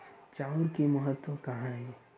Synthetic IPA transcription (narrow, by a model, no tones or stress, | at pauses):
t͡ʃaʊɾkimɐɦət̪wəkɐɦãɦɛː